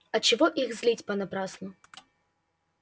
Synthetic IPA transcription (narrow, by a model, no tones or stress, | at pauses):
ɐt͡ɕɪvɔʔixzlʲitʲpɐnɐpɾasnʊ